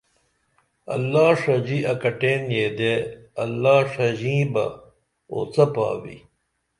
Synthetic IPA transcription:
ɐ̰lːaːʂɐd͡ʑiɐkɐʈeːnjeːd̪eɐlːaːʂɐd͡ʑĩːbɐ̰ | o̰ːt͡sɐpa̰ːwḭ

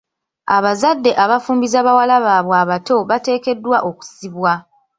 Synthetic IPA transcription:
aβazadːe̞ʔaβafuːmbizaβawalaβaːβwaːβato̞βate̞ːke̞dːwaʔo̞ku̥siβwa

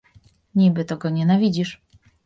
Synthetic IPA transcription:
ɲibɘt̪ɔɡɔɲɛnavʲid͡ʑiʂ

